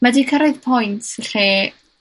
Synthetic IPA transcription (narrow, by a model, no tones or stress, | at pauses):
madiːkʰəɾɔɨðpʰɔjntʰɬeː